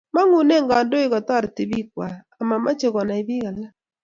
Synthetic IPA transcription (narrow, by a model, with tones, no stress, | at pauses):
ma˦ŋu˨ne˦ŋɡa˨ndo˦ɪ˦kɔ˨t̪ɔ˦ɾti˨bi˦kwaː˨ma˨mʔa˦t͡ʃe˦ɡɔ˨na˨ɪ˦bi˦ɡa˨la˦